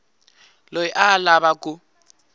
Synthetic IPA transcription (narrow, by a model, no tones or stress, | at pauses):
lojiʔalaβakʼʊ